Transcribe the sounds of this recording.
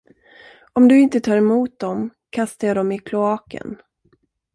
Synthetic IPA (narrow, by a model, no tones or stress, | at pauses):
ɔmd̪ɵɪnt̪ət̪ʰɑːɾɛmuːt̪̚d̪ɔmkʰast̪ajɑːd̪ɔmɪkʰlʊɑːkə̰n